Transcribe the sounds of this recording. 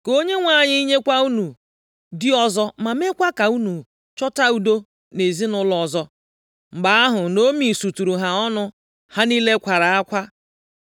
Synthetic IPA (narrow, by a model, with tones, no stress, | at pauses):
ko˦ɲe˦ŋʷa˦˨ɲɪ˦i˦ɲe˦kʷa˦u˦nu˨ | dɪ˦ɔ˦zɔ˦ma˨me˦kʷa˦ka˨u˦nu˨ | t͡ʃɔ˦ta˦u˨do˦ | ne˨zi˦nʊ˦lɔ˨zɔ˦ | ŋ͡m̩˨ɡ͡ba˨a˦ɦʊ˨no˦mi˨su˨tu˨ɾu˨ɦa˨ɔ˦nʊ˦ | ha˦ni˦le˦kʷa˨ɾa˨a˦kʷa˦